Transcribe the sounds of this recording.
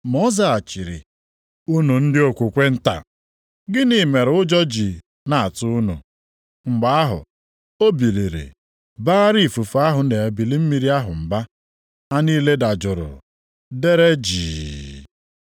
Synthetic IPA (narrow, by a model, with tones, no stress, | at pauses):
mo˦za˦a˨t͡ʃi˨ɾɪ̰˨ | u˦nu˨n̩˦dɪ˦o˨kʷu˨kʷe˦n̩˦ta̰˨ | ɡɪ˦ni˨me˨ɾʊ˦d͡ʒɔ˦d͡ʒi˨ | na˨a˨tʊ˦nṵ˨ | ŋ͡m̩˨ɡ͡ba˨a˦ɦʊ̰˨ | o˦bi˨li˨ɾḛ˨ | baː˦ɾi˦˨fu˨fu˨a˦ɦʊ˨ne˨e˨bi˨li˦m̩˦mi˨ɾi˦a˦ɦʊ˨m̩˨ba˦ | a˦niː˦le˦da˨d͡ʒʊ˨ɾʊ̰˨ | de˦ɾe˦d͡ʒiː˨